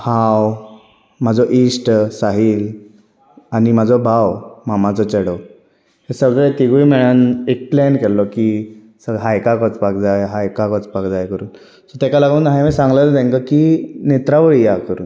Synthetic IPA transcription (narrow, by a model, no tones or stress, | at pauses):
haw | mad͡zɔʔisʈsaɦiːl | animad͡zʱɔbʱawmamat͡sɔt͡ɕeɽə | hesəɡɭɛt̪iɡujmɛɭanek̚plɛnkɛlːɔki | səɡɦajkakɔt͡spakd͡zajɦajkakɔt͡spakd͡zajkəɾuːn | sɔt̪ɛkalaɡuːnɦajmɛsãŋɡləld̪ẽŋkəkinet̪ɾaʋəɭijakəɾṵːn